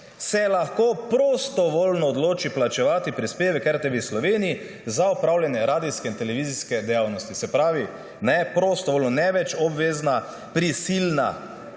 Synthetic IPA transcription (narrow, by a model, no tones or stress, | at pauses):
sɛlaxkoːpɾost̪ɔʋoːlnɔːd̪loːt͡ʃiplat͡ʃɛʋaːt̪ipɾispeːʋɛkɛɾt̪ɛʋeslɔʋeːnii | zaɔpɾaːwljanjɛɾaːd̪iskɛint̪ɛlɛʋiziskɛd̪ɛjaːwnɔst̪isɛpɾaːʋi | nɛpɾoːst̪ɔʋoːlnɔnɛʋɛt͡ʃɔbʋeːzna | pɾisilna̰